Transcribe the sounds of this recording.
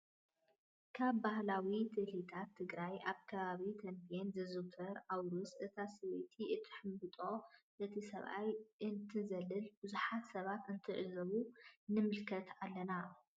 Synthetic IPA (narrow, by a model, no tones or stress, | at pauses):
kʰaβbahlawit̪ʰɨlit̪ʰat̪ʰːɨɡɾajʔaβkʰɐβaβik̪ʰɐmpʰijenzɐzɨt̪ʰɐɾʔawɾusʔɨt̪ʰasɨwet̪ʰiʔɨt̪ʰɨ̥ħɨmbɨt̪ʼo̞ʔɨt̪ʰisɐ̰βʔa̰jʔɨnt̪ʰɨzɐlɨlbɨzuħat̪sɐβat̪ɨnt̪ʰɨʕɨzɐβunɨmɨlkʰɐt̪ʰalːɐna